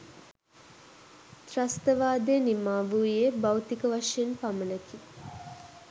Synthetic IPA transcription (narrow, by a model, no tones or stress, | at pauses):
t̪rast̪əʋaːd̪enimaːʋuːjebawt̪ikəʋaʂjenpamənəki